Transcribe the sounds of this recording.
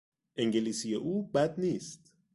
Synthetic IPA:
ʔeŋɟeliːsijeʔuːbæd̪niːst̪

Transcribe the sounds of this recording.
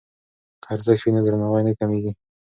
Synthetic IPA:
qʰaɾzakʃined̪əɾnawajnəkameɡʲi

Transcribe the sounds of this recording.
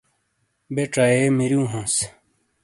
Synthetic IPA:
beʈ͡ʂaemiɾjũːɦõːs

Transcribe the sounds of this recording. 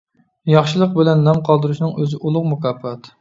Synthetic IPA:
jɑχʃɨlˠəq̚bɪlɛnːɑmqʰɑlˠd̪ɨɾuʃnɨŋøzɪʔulˠʊqmukʰɑːpːɑt̪

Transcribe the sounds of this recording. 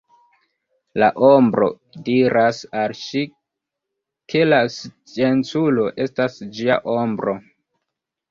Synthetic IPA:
la̰ʔombɾo̞̰ | diɾʔasalʃi | kʰe̞last͡ʃe̞nt͡sulo̞ʔe̞stasd͡ʒia̰ʔo̞mbɾo̞

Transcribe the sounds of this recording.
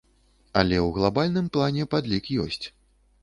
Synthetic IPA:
ɐlʲɛwɣlˠabalʲnɨmplˠanʲɛpad̪lʲikjɔ̰sʲt͡sʲ

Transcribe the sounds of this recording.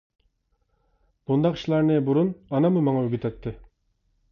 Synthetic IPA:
b̥und̪ɑqʰʃlˠɑɾnɪbuɾunɑnɑmɨmɑŋɑøɡʲyt̪ʰɛt̪ʰːɪ

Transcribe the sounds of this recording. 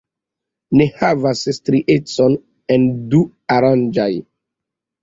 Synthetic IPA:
nehavasstɾiʔet͡son | endu | aɾãnd͡ʒaj

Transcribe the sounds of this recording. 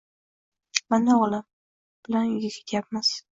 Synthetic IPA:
manaɒlam | b̥ɪlanjɪɡʲakʲʰe̥t̪ʰjap̚maz̥

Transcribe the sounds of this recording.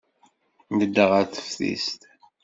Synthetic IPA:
nəd̪ːəʁæθə̥fθḭst̪

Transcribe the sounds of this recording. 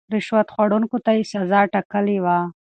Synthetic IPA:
ɾɪʃwat̪xwaɽuŋkot̪ajesazɑʈakəlewa

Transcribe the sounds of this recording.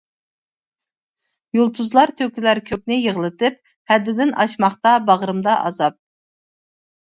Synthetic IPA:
jolˠt̪ʰuzlˠɑɾt̪ʰøkʲylæɾkʲʰøk̚ʲnɪjəʁlˠɨt̪ɨp̚ | hæd̪ːɪd̪ɪnʔɑʃmɑχt̪ɑbɑʁɾɨmd̪ɑʔɑ̰zɑp̚

